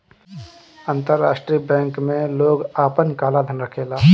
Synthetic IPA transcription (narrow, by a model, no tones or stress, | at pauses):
ə̃nt̪əɾːaːʃʈɾiəbɛ̃ːŋkmẽloːɡaːpənkaːlad̪ʱənɾəkʰeːlaː